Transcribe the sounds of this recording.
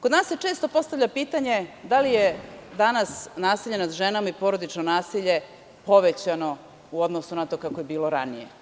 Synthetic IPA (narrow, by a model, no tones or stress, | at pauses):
kod̪naːsːe̞t͡ʂe̞ːst̪o̞po̞st̪aʋʎʲapiːt̪aɲe̞d̪alijed̪anasnaːsiʎenad̪ʒenomaipo̞ːɾod̪it͡ʃnonaːsiʎe̞ | po̞ʋet͡ɕano̞ | uo̞d̪nosunat̪o̞kakoje̞biːlo̞ɾanije